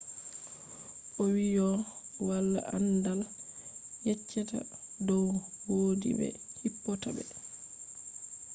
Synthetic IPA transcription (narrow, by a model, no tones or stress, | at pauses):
ʔɔwiɔwalːa̰ʔandal | jɛt͡ʃːɛta̰dɔwwoːdḭbɛ̰hipːɔtabɛ̰